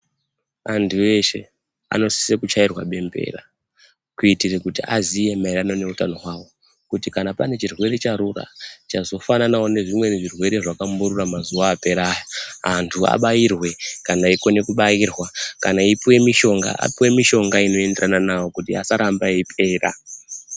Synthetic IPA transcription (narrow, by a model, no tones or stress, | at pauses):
andue̞ʃe̞ | a̰no̞si̥sekut͡ʃairwaɓe̞mbe̞̰ːra̰ | kuitirekutiʔa̰zije̞maiɾano̞ne̞utano̞wawo̞ | kutikanapane̞t͡ʃirwe̞ɾe̞t͡ʃaɾura̰t͡ʃazo̞fananawo̞ne̞ʐimwe̞neʐirwe̞ɾe̞ʐakambuɾuramazuwaːpe̞ɾaːjaantʰua̰ɓajirwe̞kanaiko̞ne̞kuɓajirwakanaipiwe̞miʃo̞ŋɡa̰a̰piwe̞miʃo̞ŋɡaino̞e̞nderananawo̞kutia̰saɾambaipʰe̞ːra̰